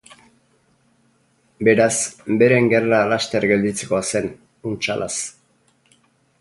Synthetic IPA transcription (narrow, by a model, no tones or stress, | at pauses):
be̞ɾasbe̞ɾe̞ŋɡe̞ralast̪e̞ɾɡe̞ld̪it͡sekoase̞n | unt͡ʃa̰lʔa̰s